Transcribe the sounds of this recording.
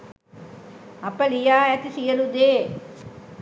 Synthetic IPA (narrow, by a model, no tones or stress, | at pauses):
ɐpːɐlijaːɛt̪ːisijɐlud̪eː